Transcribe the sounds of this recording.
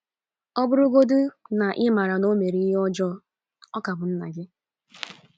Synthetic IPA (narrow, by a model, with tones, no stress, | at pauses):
ɔ˦bʊ˦ɾʊ˦ɡo˦dʊ˦na˨ʔɪ˦ma˨ɾa˨no˦me˨ɾi˦i˦ɦɔ˦d͡ʒɔ˦ | ɔ˦ka˨bʊ˨n̩˦na˨d͡ʒɪ˦